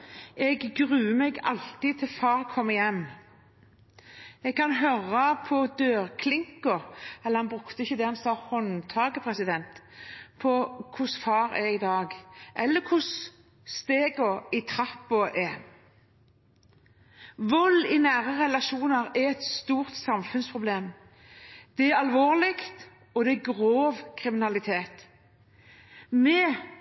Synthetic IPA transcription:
ɛɡːʁʉːmɛɡɑlt̪ɪt̪ʰɪlfɑːʁkʰɔmːəjɛmː | ɛɡ̚kʰɑnɦøʁəpʰɔd̪øːʁkʰlɪŋkɔɛlːəhɑnbʁʉkt̪əɪçːəd̪ɛhɑnsɑːhɔnt̪ʰɑːɡəpʰʁɛsɪd̪ɛnt̪ | pʰɔkʰʊsfɑːɾɛɪd̪ɑːɡʔɛlːəkʰʊs | st̪eːɡɔɪt̪ʰɾɑpːʊʔɛ | ʋɔlːɪnæːɾəʁɛlɑʃuːnəɾæɾɛt̪st̪uːʁt̪sɑmfʉnspʰʁʊbleːm | d̪̥ɛæɾɑlʋoːʁlɪkt̪ | ɔd̪ɛæɡʁoːʋkʰʁɪmɪnɑlɪt̪ʰeːt̪ | mɛː

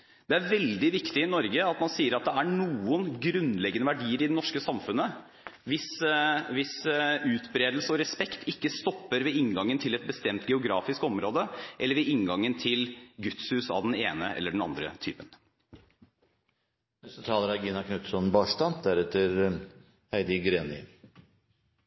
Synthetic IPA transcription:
d̪̥ɛæɾʋɛld̪ɪʋɪkt̪ɪɪnɔɾɡəɑt̪mɑnsiːəɾɑt̪̚d̪ɛæɳuːənɡɾʉnlɛɡənəʋæɖiːəɾɪd̪ɛnɔʂkəsɑmfʉnːə | ʋɪsʋɪsʉːt̪bɾeːd̪l̩səɔɾɛspɛkt̪ʰɪkːəst̪ɔpːəɾʋɛɪŋɡɑŋːənt̪ʰɪlɛt̪̚bəst̪ɛmt̪ɡɛʊɡɾɑːfɪskɔmɾoːd̪əʔɛlːəɾʋɛɪŋɡɑŋːənt̪ʰɪlɡʉt̪shʉːsɑ̰ʋd̪ɛneːnəʔɛ̰lːəɖɛɳ̩ɑ̰nd̪ɾə̰t̪ʰy̰ːpən | mɛst̪ət̪ʰɑːləɾɑɡiːnɑkʰnʉt̪sɔnbɑːʂt̪ɑnd̪æɾɛt̪ːəɾ | hæɪd̪ɪɡɾeːnɪ̰

